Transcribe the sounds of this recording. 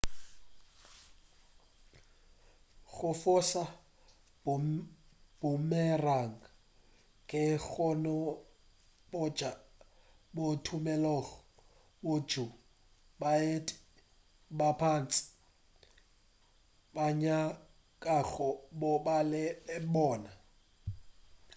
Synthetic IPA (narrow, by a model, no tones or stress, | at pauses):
ɣʊfʊsa | b | b̥ʊmɛraŋ̩ | kʼɪɣɔnɔ | bɔd͡ʒa | botʰumɛlɔɣɔ | bod͡ʒʱu | baetʼɪ̥ | bapʰan̩t͡sʼɪ̥ | baɲa | kʼaɣɔbɔbalɪlɪbɔːna